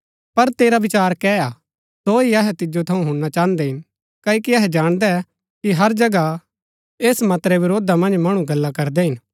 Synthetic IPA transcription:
pɐɾt̪eːɾabɪt͡ʃaːɾkɛaː | soɦiɐɦɛt̪ɪd͡ʒot̪ʰɐũɦʊ̃ɽnat͡ʃãːə̃nd̪ɛɦɪn | kaːokiɐɦɛd͡ʒaːɽ̃d̪ɛ | kiɦɐɾd͡ʒɐɡa | eːsmɐt̪ɾɛʋɪɾoːd̪amɐ̃nd͡ʒmɐɽ̃ũɡɐlːakɐɾd̪ɛɦɪn

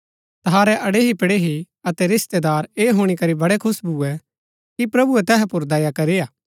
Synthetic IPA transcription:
t̪ɐɦaːɾɛʔɐɽeɦipɽeɦi | ɐt̪ɛɾɪst̪ed̪aːɾeːɦuːɽ̃ikɐɾibɐɽɛkʰʊsbʱuːɛ | kipɾɐbuɛt̪ɛːɦɛpʊɾd̪ɛːjakɐɾeaː

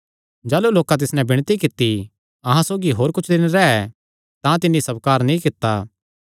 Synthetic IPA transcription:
d͡ʒaːluloːkãt̪̬ɪsnɛ̃bɪɽ̃t̪ikɪt̪ːi | ɐɦãsoːɡiɦoːɾkʊt͡ʃʰd̪ɪnɾɛɛ | t̪ãt̪ɪnːisɐbkaːɾnĩkɪt̪ːaː

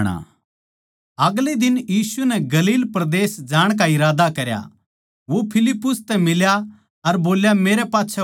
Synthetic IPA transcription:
ɽ̃a̰ | ɐɡled̪ɪnjiːsunɛɡɐliːlpɾɐd̪eːsd͡ʒaːɽ̃k̬aɪɾaːd̪akɐɾja̰ | ʋopʰɪlɪpːʊst̪ɛmɪlja | ɐɾboːljameːɾɛpaːtːt͡ʃʰɛ

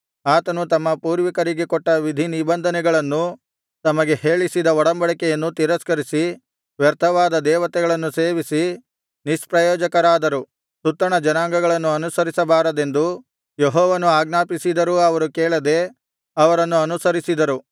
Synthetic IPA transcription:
aːt̪ɐnut̪ɐmːɐpuːɾʋikɐɾiɡekɔʈːɐʋid̪ʱinibɐnd̪ʱɐnɛɡɐɭɐnːu | t̪ɐmɐɡe̞heːɭisid̪ɐɔɽɐmbɐɭɐkɛjɐnːut̪iɾɐskɐɾisi | ʋjɐɾt̪ʰɐʋaːd̪ɐd̪ɛːʋɐt̪ɛɡɐɭɐnːuse̞ːʋisi | nispɾɐjɔːd͡ʒɐkɐɾaːd̪ɐɾu | sut̪ːɐɳɐd͡ʒɐnaːŋɡɐɡɐɭɐnːuɐnusɐɾisɐbaːɾɐd̪e̞nd̪u | jeɦɔːʋɐnuaːɡnaːpisid̪ɐɾuɐʋɐɾukɛːɭɐd̪e | ɐʋɐɾɐnːuɐnusɐɾisid̪ɐɾu

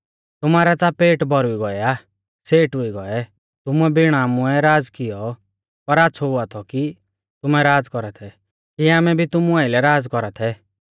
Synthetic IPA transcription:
t̪ʊmaːɾat̪apeːʈbɔɾʊiɡɔɛa | seːʈʊiɡɔɛ | t̪ʊmuɛbɪɽ̃aːmʊɛɾaːd͡zkɪjɔ | pɐɾaːtːsʰɔɦʊat̪ʰɔki | t̪ʊmɛɾaːd͡zkɔɾat̪ʰɛ | kiaːmɛbʱit̪ʊmuaɪlɛɾaːd͡zkɔɾat̪ʰɛ

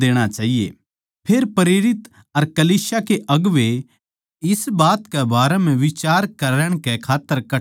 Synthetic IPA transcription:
eːɽ̃at͡ʃaːɦiḛ | pʰeːɾpɐɾeːɾɪt̪ | ɐɾkɐliːsjakeʔɐɡʋe | ɪsbaːt̪kɛbaːɾɛmɛ̃ʋɪt͡ʃaːɾkɐɾəɽ̃kɛkʰaːt̪ːəɾkɐ

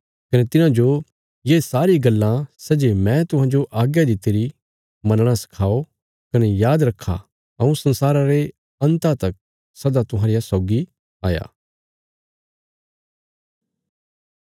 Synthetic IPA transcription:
kɐnet̪ɪnãd͡ʒo | jeːsaːɾiɡɐlːãsɛːd͡ʒemɛ̃t̪ʊ̃ɦãd͡ʒoʔaːɡjad̪it̪eːɾi | mɐ̃nɽ̃asɐ̥kʰaːo | kɐnejaːd̪ɾɐkʰːa̰ | ɐũsɐ̃nsaːɾaɾe | ɐ̃nt̪at̪ɐk̚ | sɐd̪at̪ʊɦãːɾɪjasɔːɡi | aːja̰ː

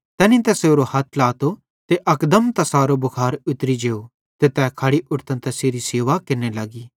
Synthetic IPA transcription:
t̪ɛ̃ːnĩt̪ɛseoɾohɐt̪ʰlaːt̪o | t̪eʔɐkd̪əmt̪ɐsaːɾobʊkʰaːɾʊt̪ɾid͡ʒeːo | t̪et̪ɛːkʰɐɽiʔʊʈt̪ə̃nt̪ɐseːɾiseːʋakɪɾnelaːɡiː

